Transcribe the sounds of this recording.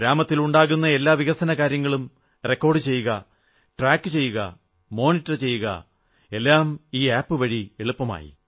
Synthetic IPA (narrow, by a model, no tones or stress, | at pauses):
ɾaːmɐt̪ːiluɳɖaːɣunːɐe̞lːaːʋiɣɐsɐnɐkaːɾjɐŋːɐɭum | re̞kːo̞ːrɖɨt͡ɕe̞jːuɣɐ | ʈraːkːɨt͡ɕe̞jːuɣɐ̰ | mo̞ːnitːɐrt͡ɕe̞jːuɣɐ̰ | e̞lːaːmiːaːpːɨʋɐɻieɭupːɐma̰ːjḭ